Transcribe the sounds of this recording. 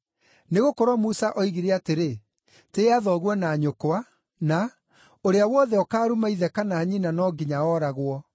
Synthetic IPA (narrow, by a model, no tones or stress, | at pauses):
neɣokɔɾwɔmusaʔɔiɣiɾeateɾe | teaðɔɣwɔnaːɲokwa | na | oɾeawɔðɛɔkaːɾumaiðɛkanaːɲinanɔɡiɲaɔːɾaɣwɔ